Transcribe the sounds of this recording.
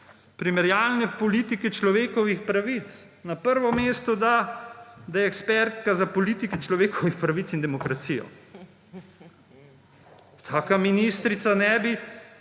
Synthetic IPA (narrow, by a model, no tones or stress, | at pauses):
pɾimɛɾjaːlnɛpɔliːt̪ikɛt͡ʃlɔʋeːkɔʋixpɾaʋit̪s | napəɾʋɔmeːst̪ɔd̪a | d̪ajɛɛkspɛɾt̪kazapɔliːt̪ikɛt͡ʃlɔʋeːkɔʋixpɾaʋit̪sind̪ɛmɔkɾat̪sijɔ̰ | t̪ʰaːkaminist̪ɾit̪sanɛːbi